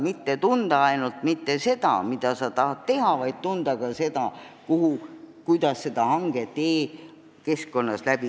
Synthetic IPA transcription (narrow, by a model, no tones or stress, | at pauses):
mit̪ːe̞t̪und̪̥ɑɑjnult̪mit̪ːe̞se̞d̪̥ɑ̰mid̪̥ɑsɑt̪ɑɦɑt̪t̪ːe̞ɦɑvɑjd̪̥̚t̪und̪̥ɑɡ̥ɑse̞d̪̥ɑkuhukujd̪̥ɑsːe̞d̪̥ɑhɑŋɡ̥e̞t̪e̞ː | ke̞skko̞nːɑslæb̥i